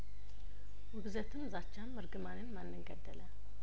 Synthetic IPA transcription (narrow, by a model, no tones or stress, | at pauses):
wɨɡzət̪ʰɨmzat͡ʃːamːɨɾɡɨmanɨnmanːɨŋɡəd̪ːələ